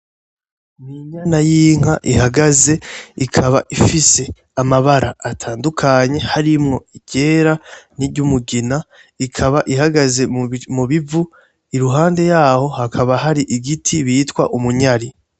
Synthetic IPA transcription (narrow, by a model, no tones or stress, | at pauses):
niɲanajiːŋ̥aʔihaɡaze̞ikʰaβaʔifise̞ | amaβaɾaːtʰaːndukʰaɲe̞haɾimŋo̞iɟe̞ːɾaniɾɟumuɡina | ikʰaβaʔihaɡaze̞muβivu | iɾuɦaːnde̞jaːho̞hakʰaβaɦaɾiʔiɡitʰiβiːtkwa̰ʔumuɲaɾi